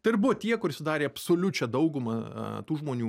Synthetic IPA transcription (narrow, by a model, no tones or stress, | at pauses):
t̪ɐɪɪɾbʊʋoːt̪ʲiɛkʊɾɪʃʲsʲɪd̪ɑːɾʲeːɐpsoːlʲʊt͡ʃʲɛd̪ɐʊɡʊmɐ̰t̪uːʒmoːnʲuː